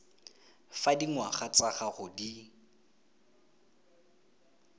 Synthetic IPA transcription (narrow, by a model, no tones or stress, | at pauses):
fadiŋwaχat͡sʼaχaχʊdi